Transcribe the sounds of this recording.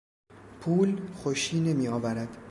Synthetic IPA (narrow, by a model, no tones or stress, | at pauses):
pʰuːlxoʃiːne̞miːɒːvæɾæd̪̥